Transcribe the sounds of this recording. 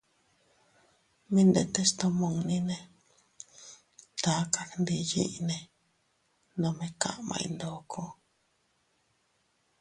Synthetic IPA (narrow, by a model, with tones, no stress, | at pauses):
mĩ˦nd̪e˧t̪e˦st̪o˧mõ˧˨ŋnĩ˦nẽ˧ | t̪a˨˦ka˧knd̪i˧jḭ˦ʔnẽ˧ | nõ˧mẽ˧kã̰˦ʔmã̰˧ḭ˧nd̪o˨˦kʰo˦